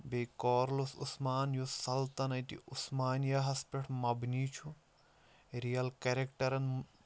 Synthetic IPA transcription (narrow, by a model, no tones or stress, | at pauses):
bejkoːɾlosusmaːnjusɐlt̪ɐnɐjt̪ḭusmaːnjɐɦɐspeʈʰmɐbniːt͡ʃʰu | ɾijɐlkeɾekʈɐɾɐn